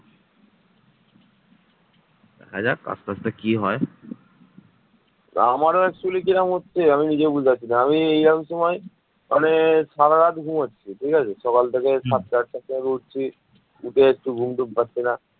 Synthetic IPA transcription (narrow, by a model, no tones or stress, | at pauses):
dɛ̰kʰad͡ʑaka̰st̪ast̪akiɦɔe | amaɾoɛksulikiɾamɦotːɕʰeaminid͡ʑebud͡ʑʱat͡ɕʰinaamieiɾamʃɔmaj | mʔaneʃaɾaɾat̪ɡʱumotːɕʰiʈʰikat͡ɕʰeʃɔkalt̪ʰekesat̪̚t͡ɕaʈ̚tasɔekouʈ̚t͡ɕʰi | uʈeek̚ʈuɡʱumɖuk̚patːɕʰina